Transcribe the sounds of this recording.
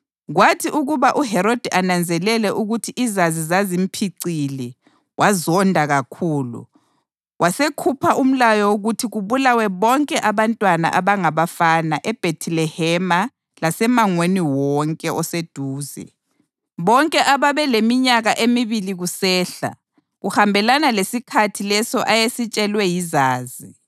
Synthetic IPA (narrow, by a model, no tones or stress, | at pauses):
ɣwatʰiʔuɣuβaʔuɦɛɾod̥ʱiʔanand͡zʱɛlɛlɛʔuɣutʰiʔizazizazim̩pʰiǀili | wʔazɔndʱaɣakʰuːlṵ | wʔasekʰupʰaʔum̩lajɔwoɣutʰiɣuβulawɛβɔŋkʼɛʔaβantʼwana̰ʔaβaŋaβafanaʔɛb̥ʱetʰilɛhɛma | lasɛmaŋweniwɔŋkʼɛʔɔsed̥ʱuːzɛ̰ | βɔŋkʼɛʔaβaβɛlemiɲaɣaʔemiβiliɣusɛːɬa̰ | ɣuhambʱɛlanalesikʰatʰilɛsɔʔajesit͡ʃʼɛlwɛjizaːzi